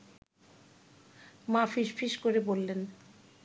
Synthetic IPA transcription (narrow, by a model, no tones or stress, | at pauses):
mafiʃfʰiʃkoɾebolːen